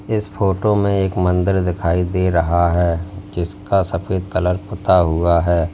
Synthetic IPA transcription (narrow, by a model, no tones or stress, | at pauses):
ɪspoːʈomẽeːkmə̃nd̪əɾd̪ɪkʰaːid̪eɾɐɦaɦɛːd͡ʒɪskasɐfeːd̪kɐləɾpʊt̪aɦuaɦɛː